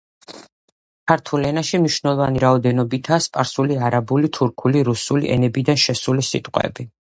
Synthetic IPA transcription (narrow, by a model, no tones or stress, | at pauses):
kʰaɾt̪ʰulɛnaʃimniʃvnɛlˠɔvaniɾaɔd̪ɛnɔbit̪ʰaːspʼaɾsuliaɾabulit̪ʰuɾkʰuliɾusulḭʔɛ̰nɛbid̪anʃɛsulisḭt̪ʼqʼwɛ̰bi